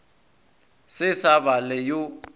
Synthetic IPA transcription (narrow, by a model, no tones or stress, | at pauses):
sɪsaβalɛjo